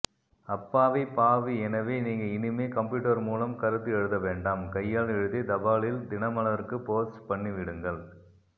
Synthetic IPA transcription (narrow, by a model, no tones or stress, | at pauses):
ɐpːaːʋɐɪpaːʋiɛnɐʋeːniːŋɡɐɪnɪmeːkɐmpjuːʈːɐɾmuːlɐmkɐɾɯt̪ːɯɛɻɯðɐʋeːɳɖaːmkɐjːaːɭɛɻɯðed̪ɐbaːɭɪld̪ɪnɐmɐnɐʋɐɾkːɯpoːsʈpɐɳːiʋɪɽɯŋɡɐɭ